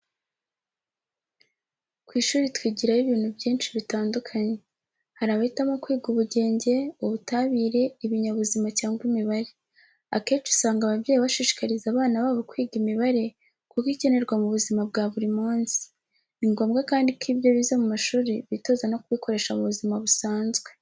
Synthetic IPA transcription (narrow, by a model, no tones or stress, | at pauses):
kwiːʃuːɾitwiːɟiɾajiβiːn̥hubɟiːnʃiβitaːndukʰaɲe̞ | haɾaːβahitamo̞kwiːɡuβuɟe̞ːɲɟe̞uβutaβiːɾe̞iβiɲaβuzimacaːŋɡwimiβaɾe | a̰keːt͡ʃu̥saːŋɡaβavɟeːjiβaʃiʃi̥kaɾizaːβaːnaβaːβo̞kwiːɡimiβaɾe̞ | kukice̞ne̞ɾɡwamuβuzimab̚ɡaːβuɾimuːnsi̥ | niŋɡo̞ːmɡakaːndikiːbɟo̞βizamumaʃuːɾiβito̞zano̞kuβiko̞ɾe̞ːʃamuβuzimaβusaːnzɡwe̞̥